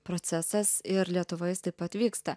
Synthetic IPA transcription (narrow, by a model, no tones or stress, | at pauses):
pɾot̪sʲæsɐsɪɾlʲiɛt̪ʊʋoɪst̪ɐɪpɐt̪ʲʋʲiːkst̪ɐ